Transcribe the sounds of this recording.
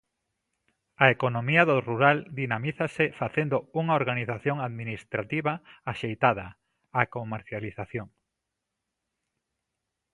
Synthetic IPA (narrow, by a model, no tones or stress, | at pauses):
aekonomiɐðoruɾald̪inamiθɐsɪfaθend̪ouŋaoɾɣaniθaθjoŋaðminist̪ɾat̪iβɐaʃejt̪að̞ɐ | akomeɾθjaliθaθjoŋ